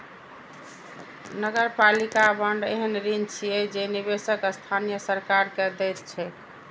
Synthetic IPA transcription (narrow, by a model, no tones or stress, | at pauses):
nəɡəɾpalikabəɳɖḛɦənɾint͡ʃʰijɛd͡ʒeniβesəkəst̪ʰanijəsəɾkaɾkɛd̪ɛjt̪t͡ʃʰɛ